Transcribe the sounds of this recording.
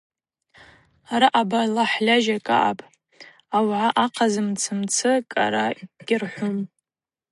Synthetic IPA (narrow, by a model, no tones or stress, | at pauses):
aɾaʔabalaħlʲaʒakʼa̰ʔa̰pʼ | awʕaʔaqʰazɨmt͡sʰɨmt͡sʰɨkʼa̰ɾaɡ̥ʲɪrħʷʊm